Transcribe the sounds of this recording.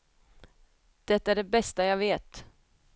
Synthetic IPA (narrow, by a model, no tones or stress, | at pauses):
d̪̥ɛt̪ːaæɖɛbɛst̪ajɑːveːt̪